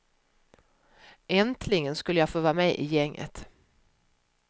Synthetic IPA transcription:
ɛnt̪ʰlɪɡənskɵlːəjɑɡfoːvɑːɾmɛʔɪ̰jɛŋːʔə̰t̪

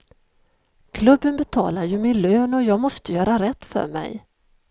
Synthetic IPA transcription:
kʰlɵbːənbɛt̪ʰɑ̰ːlaɾjɵmɪnløːnɔjɑːɡmɔst̪əjœːɾaɾɛt̪ːfœ̰ɾmɛ̰j

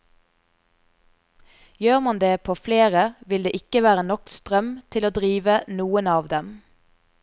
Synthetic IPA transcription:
jøːʁmɑnd̪eːpʰoːfleːʁəʋɪld̪eːʔɪkəʋæːʁənɔkst̪ʁœmt̪ʰɪloːd̪ʁiːʋənuːənɑːʋd̪ɛm

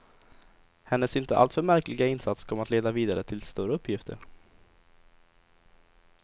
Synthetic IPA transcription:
hɛnːəsɪnt̪əʔa̰lt̪fœɾmæɾklɪɡaɪnsat̪skʰɔməat̪leːd̪aviːd̪aɾət̪ʰɪlst̪uɾəɵpʰːjɪft̪ʰə̰ɾ

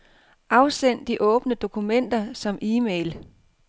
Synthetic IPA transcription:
ʔɑ̈ʊsen̰d̥iʔɔ̽ːb̥nəd̥o̝kʰumen̰d̥ɐsɒ̽mʔiːmeɪl

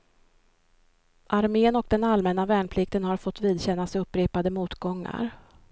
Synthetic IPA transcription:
ʔaɾmeːnɔk̚d̪ɛnalmɛnavɛːɳpʰlɪk̚t̪ənhaɾfɔt̪ːviːd̪ɕɛnːasɵpːɾeːpad̪əmuːt̪ɡɔŋːa̰ɾ

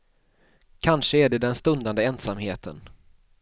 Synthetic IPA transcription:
kʰanʂəæɖɛd̪ɛnst̪ɵnd̪and̪əɛnsamɦeːt̪ʰə̰n

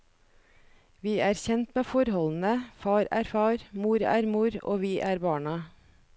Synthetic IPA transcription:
ʋiːæːɾçɛnt̪meːfɔɾhɔln̩əfɑːɾæːɾfɑːɾmuːɾæːɾmuːɾo̰ːʋiːʔæːɾbɑːɳɑ

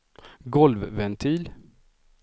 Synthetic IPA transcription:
ɡɔlvvɛnt̪ʰiːl

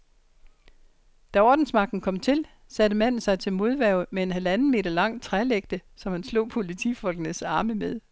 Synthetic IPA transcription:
d̥æɒːd̥n̩smɑ̈ɡ̥̚d̥n̩kʰɒ̽m̰t͡sʰe̝l | sæd̥əmæn̰n̩sɑ̈ɪt͡sʰe̝lmo̝ð̞ˠʋæɐʊmee̝nɦælænn̩me̝̰ːdɐlɑ̈ŋ̰t͡sʰʁæleɡ̥d̥əsɒ̽mhænslɔ̰̽ːpʰo̝lit͡sʰḭfɒ̽lɡ̥ənəsɑ̈ːməmeð̞ˠ

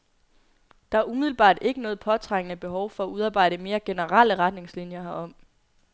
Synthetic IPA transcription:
d̥ɑ̈æɐumiðˠl̩b̥ɑ̰̈ːd̥e̝ɡ̥ənɔ̽ːð̞̩ˠpʰɒ̽t͡sʰʁäŋ̰ənəb̥e̝ɦɒʊfɒ̽æuðˠɑ̈ːb̥ɑ̈ɪ̰ɾ̥əme̝ːɐɡ̥e̝nəʁal̰əʁɑ̈d̥ne̝ŋslinjɐɒ̽m̰

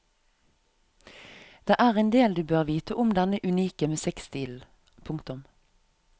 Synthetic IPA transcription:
d̪̥eːʔæːʁend̪eːld̪ʉːbøːʁʋiːt̪əʔʊmd̪ɛnəʔʉniːkəmeːsɛkst̪iːl̩ | pʰʊŋkt̪ʊm

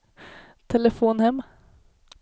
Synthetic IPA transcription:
t̪ʰɛləfuːnhɛm

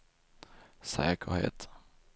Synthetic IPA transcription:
sɛːkəhḛːt̪

